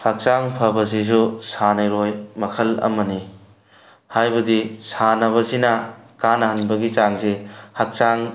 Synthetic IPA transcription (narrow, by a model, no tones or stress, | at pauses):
hɐk̚t͡ʃaŋpʰɐbɐzizusanɐjɾojmɐkʰɐlɐ̰mɐni | hajbɐdisanɐβɐzinɐkanɐɦɐnbɐɡit͡ʃaŋzehɐk̚t͡ʃaŋ